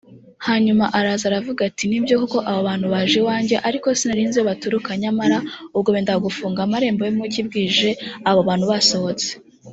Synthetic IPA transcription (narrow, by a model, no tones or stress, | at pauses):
haːɲumaʔaɾaːzaɾavuɡatinibjo̞kuko̞ʔaβoβaːn̥huβaʒewaːɲɟe̞ʔaɾiko̞sinaɾiːnzewoβatuɾukaɲamaɾaubɡo̞βeːndaɡufuːŋɡamaɾe̞ːmbojemucibɡiːʒe̞aβoβaːnhuβaso̞ho̞t͡se̥